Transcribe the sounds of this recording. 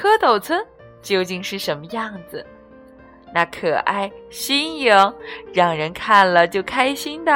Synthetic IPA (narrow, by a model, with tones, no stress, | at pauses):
ɤ˥t̪ʰo˨˩ʊt͡sʰwə˥n | t͡ɕjo˥˧ʊt͡ɕi˥˧ŋʂɻ̩˥˩ʂə˧˥nmə˧jɑ˥˩ŋd͡zɹ̩˩ | na˥˩kʰɤ˨˩ʔa̰˥˩ɪɕi˥nji˧˥ŋɻɑ˨˩ŋɻə˧˥nkʰa˥˩nlə˩t͡ɕjo˥˩ʊkʰa˥ɪɕi˥nd̪ə˨